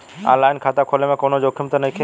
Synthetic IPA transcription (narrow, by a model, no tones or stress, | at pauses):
ã̰laːɪnkʰaːt̪akʰoːlemẽkoːnod͡ʒoːkʰɪmt̪onəɦĩkʰe